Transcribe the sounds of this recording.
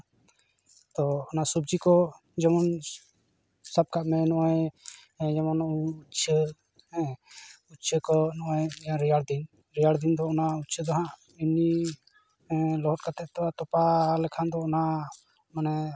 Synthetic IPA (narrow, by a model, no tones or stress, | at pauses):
t̪ɔɔnasubd͡ʒikɔ | d͡ʒɔmɔn | sab̚kaʔmɛnɔʔɔj | d͡ʒɔmɔnut͡ʃʰə | utt͡ʃʰəkɔnɔʔɔjɾijaɽd̪in | ɾijaɽd̪ind̪ɔːnautt͡ʃʰəd̪ɔɦãʔ | ini | lɔɦɔʈ̚kat̪ɛʔt̪ɔwat̪ɔpalɛkʰand̪ɔɔna | manɛ